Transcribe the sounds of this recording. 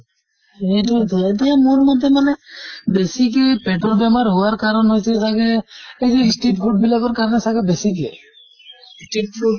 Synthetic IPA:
eʈuet̪iamuɾmɔd̪ʱːemanebesikepeʈɔɾbɛmaɾɦuwaɾkaɾɔnɦojt͡ʃʰesaɡeed͡ʒeisʈeʈfʰuɖ̚bilaɡɔɾkaɾnesaɡebesike | sʈeʈ̚fu

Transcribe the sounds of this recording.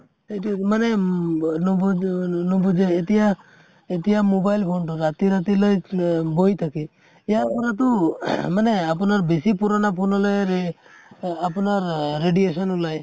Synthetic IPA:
emanenɔbnɔbud͡ʒɔet̪ija | et̪iɦamobajlpʰoɳʈɔɾat̪iɾat̪iləjbojt̪ʰake | ejaɾpɔɾat̪̬umaneap̬ɔnaɾbesipuɾɔnapʰonɔlɔɾe | apɔnaɾːeɖiesɔnulaj

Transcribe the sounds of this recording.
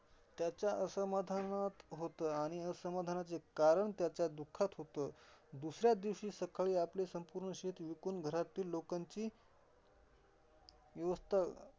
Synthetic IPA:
t̪jat͡ɕjaʔəsəmad̪ʱanat̪ɦot̪əːaɽ̃iəsəmad̪ʱanat͡sekaɾəɳt̪jat͡ɕjad̪ukʰːat̪ɦot̪əːd̪usɾjad̪iʋɕiːsəkʰaɭiːaplesəmpuːɾɳəɕet̪ʋikunɡʱəɾat̪iːlːokaɲt͡ɕiː | ʋjəʋəst̪ʰa

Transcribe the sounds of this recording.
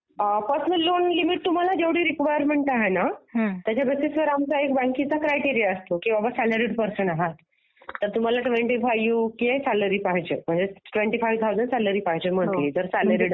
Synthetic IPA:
əpəsməlːonlimiʈ̚t̪um̤alad͡ʑeʋɽiːɾikʋajəɾmeɳʈaɦenaɦt̪jat͡ɕabesisʋəɾamt͡saek̚bãŋkit͡sakɾajʈiɾijaəst̪okĩʋabəsæləɾiɽpəɾsəɳaɦat̪ː | əɾt̪um̤alaʈʋeɳʈifajʋjukiesæləɾiːpaɦid͡ʑḛm̤əɳd͡zeʈʋeɳʈifajʋt̪ʰawzəɳɖsæləɾiːpaɦd͡ʑem̤ət̪liːd͡zəɾsæləɾiɽ

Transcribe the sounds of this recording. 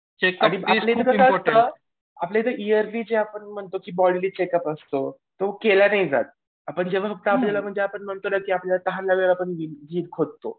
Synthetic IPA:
t͡ɕekaaɽ̃iaplet̪əkəat̪ə | aplet̪əʔiəɾbiːd͡zeapəɳm̤əɳt̪okiːbɔɽiliːt͡ɕekəpəst̪o | t̪okelanaɦid͡za̰t̪̚ | apəɳd͡ʑeʋ̤afək̚t̪aːplalam̤əɳd͡zeapəɳm̤əɳt̪olakiːapljalat̪əɦanlaʋeɭapəɳɡiːɡʱiːɾkʰod̪t̪o

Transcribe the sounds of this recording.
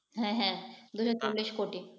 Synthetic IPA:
ɦɛ̃ɦɛ̃d̪uʃot͡ʃolːiʃkoʈi

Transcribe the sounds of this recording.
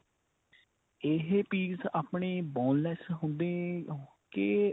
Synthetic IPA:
ɪɦepiːsaːpɳeːbɔːnlɛːsɦʊ̃nd̪eː | keː

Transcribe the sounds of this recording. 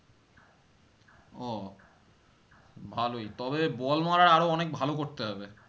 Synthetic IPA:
ɔ | bʱalojt̪ɔbebɔlmaɾaɾaɾoɔnek̚bʱalokoɾt̪eɦɔbe

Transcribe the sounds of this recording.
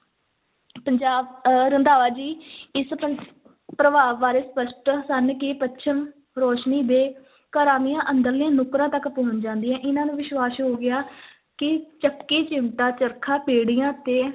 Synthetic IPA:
pəɲd͡ʒaːɾənd̪aːʋaːd͡ʒiːɪspə | pɾəʋaːʋːaːɾeːspəsʈsənkɪːpətːʃʰəm | ɾɔːʃniːd̪eː | kaːɾaːmɪjãːʔənd̪əɾliãːnʊkɾãːt̪əkpoːnd͡ʒãːnd̪iːãːʔɪnãːnũːʋɪʃwaːsɦoːɡɪaː | kɪt͡ʃəkːeːt͡ʃɪmʈaːt͡ʃəɾkʰãːpeːɽɪjãːt̪eː

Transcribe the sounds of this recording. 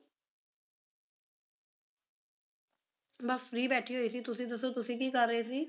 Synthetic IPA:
bəsfɾiːbɛːʈʰiːɦoːiːsiːt̪ʊsĩːd̪əsoːt̪ʊsĩːkiːkəɾːəeːsiː

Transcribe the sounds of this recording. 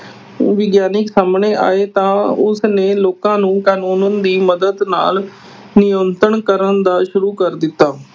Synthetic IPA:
ʋɪɡjaːnɪksaːmneːʔa̰ːeːt̪ãːʊsneːloːkãːnũːkaːnuːnənd̪iːməd̪əd̪na̰ːl | nɪjənt̪əɳkəɾənd̪aːʃʊɾuːkəɾd̪ɪt̪ːaː

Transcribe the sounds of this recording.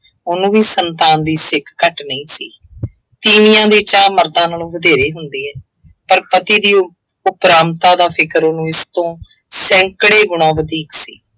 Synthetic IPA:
ʊnũːʋiːsənt̪aːnd̪iːsɪkʰːəʈnəĩːsiː | t̪iːnɪjãːd̪iːt͡ʃaːməɾd̪ãːnaːlõːʋəd̪eːɾeːɦʊnd̪iːɛː | pəɾpət̪iːd̪iː | ʊpɾaːmt̪aːd̪aːpʰɪkəɾonũːɪst̪õː | sɛ̃ːŋkɽeːɡʊɽ̃ãːʋəd̪iːksḭː

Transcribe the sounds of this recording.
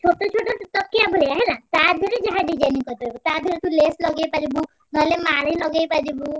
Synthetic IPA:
t͡ʃʰoʈɔt͡ʃʰoʈot̪ɔkːjabʱoɭiaɦenat̪ad̪ʱɔɾed͡ʒəɦad̪id͡ʒaniŋkɔɾt̪ɔbut̪ad̪ʱɔɾet̪uleslɔɡejpad͡ʒibu | nɔlemaɽilɔɡejpad͡ʒibu

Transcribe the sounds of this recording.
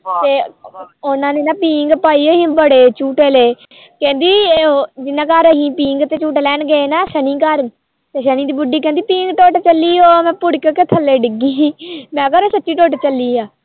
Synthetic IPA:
t̪eːʊnãːneːnãːpiːŋɡpaːiːoɦĩːbəɽeːt͡ʃuːʈeːleː | kɛ̃ːnd̪iːd͡ʒɪnːãːkaɾəɦĩːpĩːŋɡt̪eːt͡ʃuːʈːlɛːnɡeenaːʃənĩːkəɾ | t̪eːʃənĩːd̪iːbʊɖiːkɛ̃ːnd̪iːpĩːŋɡʈoːʈt͡ʃəlːiːoːmɛ̃ːpʊɽkket̪ʰəlːeːɖɪɡiːmɛ̃ːkəɾoːsətːʃiːʈoːʈt͡ʃəlːiːaː

